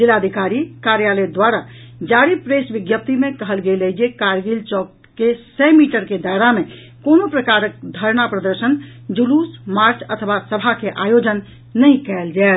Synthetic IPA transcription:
d͡ʒilad̪ʱikaɾikaɾjaləd̪waɾad͡ʒaɾipɾesbiɡjəp̚t̪imekəɦəlɡeləd͡ʒekaɾɡilt͡ʃɔkːesɛmiʈəɾked̪aeɾame | konopɾəkaɾək̚d̪ʱəɾnapɾəd̪əɾsənd͡ʒulusmaɾt͡ʃʰə̰t̪ʰəʋasəbʱakeʔajod͡ʒənː | əjkɛld͡ʒaet̪

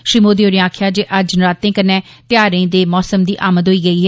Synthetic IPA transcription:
ʃɾiːmoːd̪eːɦoːɾiãːkʰjaːd͡ʒeʔəd͡ʒnɾaːt̪ːẽːkənɛː | t̪ɪjaːɾẽːd̪eːmɔːsəmd̪iːʔaːməd̪ɦoːiːɡəiːɦɛː

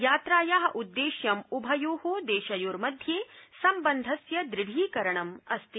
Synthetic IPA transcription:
jaːt̪ɾaːjaːɦɐ̆ʔud̪ːeːʃjɐmubʱɐjoːɦoːd̪eːʃɐjuːɾmɐd̪ʱjeːsɐmbɐnd̪ʱɐsjɐd̪ɾɪɽʱiːkɐɾɐɳɐmɐst̪i

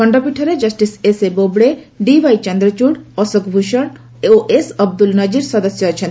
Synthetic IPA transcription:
kɔɳɖɔpiʈʰɔɾed͡ʒɐsʈisesebobɽe | ɖibajt͡ʃɔnd̪ɾɔt͡ʃuɽɔsokbʱuʃɔɳ | oʔesɔb̚d̪ulnɔd͡ʑiɾsɔd̪ɔsjɔat͡ʃʰen

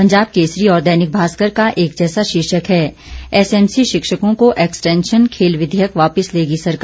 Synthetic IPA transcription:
pɐ̃ɲd͡ʒaːb̚keːsɾiɔːɾd̪ɛːnɪk̚bʱaːskəɾkaʔeːk̚d͡ʒɛːsaʃɪʃəkɦɛː | ɛsɛːmsiʃɪkʃəkõkoʔɛːksʈɛ̃ːnʃənkʰeːlʋɪd̪ʱjəkʋaːpɪsleːɡisɐɾka

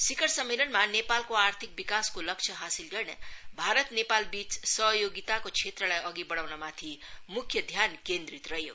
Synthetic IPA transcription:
sikʌɾsʌmːelʌnmanepalkoart̪ʰik̚bikaskolʌk̚t͡sʰʌɦasilɡʌrnḛbʱaɾʌt̪nepalbit͡ssʌɦjoɡit̪akot͡sʰet̪rʌlajʌɡibʌɽawnamat̪ʰimukʰjʌd̪ʱjankend̪ɾit̪rʌjo

